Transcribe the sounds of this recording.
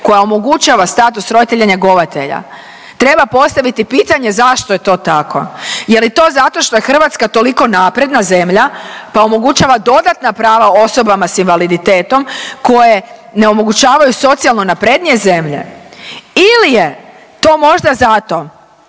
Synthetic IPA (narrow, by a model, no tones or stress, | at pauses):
ko̞jaomo̞ɡut͡ʃaːʋast̪aːt̪usɾo̞d̪it̪eʎaɲeɡo̞ʋat̪ḛʎa̰ | t̪ɾe̞bapo̞st̪aʋit̪ipiːt̪aɲe̞zaʃt̪oje̞t̪o̞ːt̪akʰo̞̰je̞lit̪o̞ːzat̪o̞ʃt̪o̞jexr̩ʋat̪skat̪o̞liko̞naːpɾe̞d̪naze̞mʎapao̞mo̞ɡut͡ɕaːʋad̪o̞d̪at̪napɾaːʋao̞so̞bamasinʋalid̪it̪e̞ːt̪o̞mko̞je̞ne̞o̞mo̞ɡut͡ɕaːʋajuso̞t̪sialˠno̞napɾed̪nie̞ze̞mʎe̞̰ | ilije | t̪o̞ːmo̞ʒd̪azat̪o̞